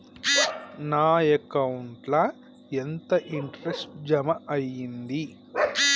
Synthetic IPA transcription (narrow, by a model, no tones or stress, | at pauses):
naːekɐwuɳʈlɐ | ent̪ɐʔiɳʈɐɾesʈd͡ʒɐmɐʔɐjːind̪i